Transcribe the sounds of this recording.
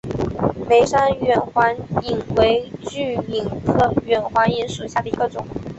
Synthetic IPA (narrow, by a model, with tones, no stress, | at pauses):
me˧˥ɪʂa˥nɥɛ˨˩nxwa˧˥ni˨˩ŋwe˧˥ɪt͡ɕy˥˩i˨˩ŋkʰɤ˥˩ɥɛ˨˩nxwa˧˥ni˧˥nʂu˨˩ɕja˥˩d̪ə˩i˧˥ɡə˧ʈ͡ʂʊ˨˩˦